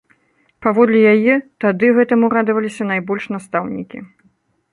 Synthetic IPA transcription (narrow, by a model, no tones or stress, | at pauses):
pavɔd̪lʲijajɛt̪ad̪ɨɣɛt̪ɐmuɾad̪ɨvɐlʲisʲɐn̪ajbɔlʲʂnast̪awnʲḭkʲḭ